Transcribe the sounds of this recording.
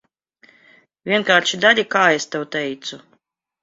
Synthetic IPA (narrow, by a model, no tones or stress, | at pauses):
vʲiɛnkaːɾʃid̪alʲikaːest̪ɛwt̪ɛjt̪su